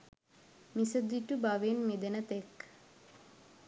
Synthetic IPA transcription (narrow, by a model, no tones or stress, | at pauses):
misəd̪iʈubaʋeːnmed̪enət̪ek